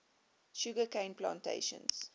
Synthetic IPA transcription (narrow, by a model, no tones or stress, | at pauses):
ʃuɡəkẽɪ̃nplã̰ːntʰḛɪʃə̰̃ns